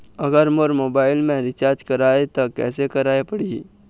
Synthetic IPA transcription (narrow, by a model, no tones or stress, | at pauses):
ɐɡəɾmoɾmoːbaːɪlmẽɾɪt͡ʃaːɾd͡ʒkɐɾaːet̪okɛ̰ːsekɐɾaːepɐɽi